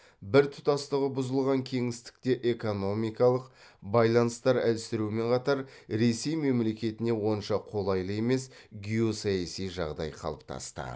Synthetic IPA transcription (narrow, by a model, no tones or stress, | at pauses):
bɪɾt̪ʰʊ̥t̪ɑst̪əʁəbʊzəlˠʁɑŋkʲʰe̞ŋɪst̪ɪ̥k̚t̪e̞ʔe̞ko̞no̞mijkɑlˠəqbɑjlˠɑnəst̪ɑɾælsɪɾuɪme̞ɴqʰɑt̪ɑɾɾe̞se̞jme̞mle̞kʲe̞t̪ɪne̞wo̞nʃɑqʰo̞lˠɑjlˠəe̞me̞sɡʲijo̞sɑjɑsijʒɑ̰ʁd̪ɑ̰jqʰɑ̰lˠəp̚t̪ʰɑ̰st̪ə̰